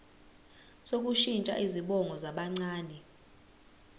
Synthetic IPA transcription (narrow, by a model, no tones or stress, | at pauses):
sok̬uʃint͡ʃʼa̰ʔiziɓɔŋʱɔzaɓaŋ͡ǀaːnɛ